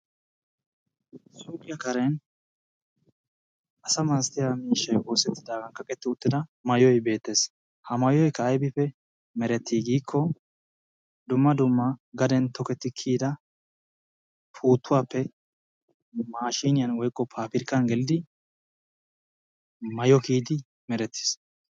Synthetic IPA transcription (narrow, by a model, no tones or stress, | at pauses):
suːkʼɪjɐkɐɾɛn | ʔɐsɐmaːst̪ɪjamiːʃːɐjʔo̞ːsɛt̪ːɪd̪aːɡɐnkɐkʼɛt̪ːɪʊt̪ːɪd̪ɐmɐjɔjbe̞ːt̪ːe̞ːs | hɐmɐjɔjkːɐːjbɪpːɛ | mɛɾɛt̪ʰːiːɡiːkʰːɔ | d̪ʊmːɐd̪ʊmːɐɡɐd̪ɛnt̪ɔkɛt̪ːɪkʰiːd̪ɐ | pʰuːt̪ːʊwaːpːɛ | maːʃiːnɪjɐnwɔjkʼːɔpʰaːpɪɾkːɐnɡɛlɪd̪ɪ | mɐjɔkiːd̪ɪ | mɛɾɛt̪ːi̥s